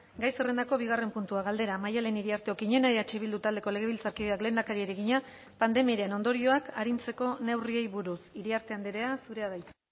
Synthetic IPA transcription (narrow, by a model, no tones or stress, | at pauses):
ɡajse̞re̞nd̪ako̞β̞iɣ̞are̞mpunt̪uaɣald̪e̞ɾamajaleniɾiaɾt̪e̞okiɲe̞naeat͡ʃeβild̪ut̪ald̪e̞ko̞le̞ɣe̞βilt͡saɾkiðe̞akle̞ːnd̪akaɾieɾeɣiɲa | pand̪e̞miaɾieno̞nd̪o̞ɾio̞akaɾint͡se̞ko̞ne̞wrie̞jβuɾusiɾiaɾt̪e̞and̪iɾe̞asuɾe̞aðajt͡s